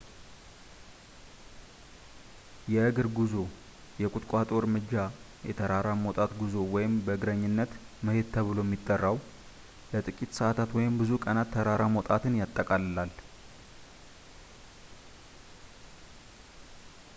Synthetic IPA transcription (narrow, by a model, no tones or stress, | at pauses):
jɛɨɡɨɾɡuzo | jɛkʼut̪ʼkʼat̪ʼo̞ɾmɨd͡ʒːa | jɛt̪ʰəɾaɾamot̪ʼat̪ɡuzowɔjɪmbəɨɡɾəɲːɨnːət̪məhed̪t̪ʰəβɨlo̞jɛmːit̪ʼːərːaw | lət̪ʼɨkʼit̪səʔat̪ʰat̪wɔjɪmbɨzukʼənat̪ʰːəɾaɾamot̪ʼat̪ɨnjat̪ʼːəkʼalɨlal